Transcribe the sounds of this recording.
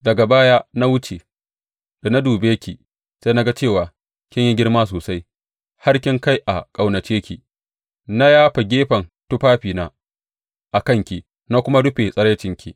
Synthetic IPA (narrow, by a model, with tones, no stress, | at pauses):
dɐ˨ɡa˨baː˦jaː˦na˦wʊ˦t͡ʃe˨ | d̥a˨na˦duː˨beː˦kʲi˨ | sa˦na˦ɡa˦t͡ʃeː˦˨waː˨ | kʲɪ˦ɲji˦ɡʲɪ˦ɽmaː˦s̬oː˨sa˦j | ha˦ɽkʲɪ˦ŋka˦jʔa˨kʼa˨wnɐ˨t͡ʃeː˦kʲi˨ | na˦jaː˦ɸa˨ɡʲeː˦ɸɐ˨ntu˦ɸaː˦ɸiː˨naː˦ | ʔa˨kɐ˦˨ŋkʲi˨ | na˦kʷʊ˦ma˦dʊ˦ɸe˨sʼɐ˦ɽeː˦t͡ʃɪ˦ŋkʲḭ˨